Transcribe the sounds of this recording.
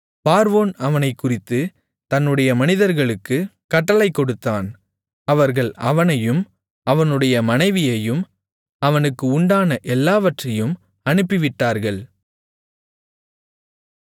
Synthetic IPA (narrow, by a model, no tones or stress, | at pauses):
paːɾʋoːnɐʋɐnɐɪkːʊrɪt̪ːɯ | t̪ɐnːɯɽɐjɐmɐnɪðɐɾɣɐɭɯkːɯkɐʈːɐɭɐɪkːɔɽɯt̪ːaːn | ɐʋɐɾɣɐɭɐʋɐnɐjɯm | ɐʋɐnɯɽɐjɐmɐnɐɪʋɪjɐjɯm | ɐʋɐnɯkːɯʊɳɖaːnɐʔɛlːaːʋɐʈrɐjɯm | ɐnɯpːɪʋɪʈːaːɾɣɐɭ